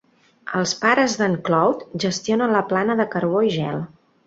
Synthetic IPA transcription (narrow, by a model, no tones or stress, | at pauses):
əlˠspaɾəzðəŋklɔwt̪ʒəst̪ionənləplanəðəkəɾβoiʒɛlˠ